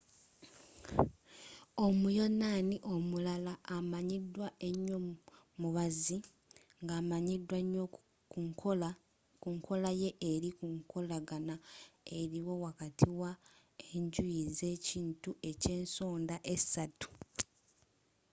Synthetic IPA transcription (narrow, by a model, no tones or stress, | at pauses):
o̞mujo̞naːniʔo̞mulalaːmaɲidwaʔe̞ɲːo | muβazi | ŋɡaːmaɲidwaɲːo | kuŋkʰo̞laje̞ʔːɾikuŋko̞laɡanae̞ɾiwo̞wakatʰiwa | eɲɟuize̞ːciːntuʔe̞ce̞ːnsoːndaʔe̞̥satu̥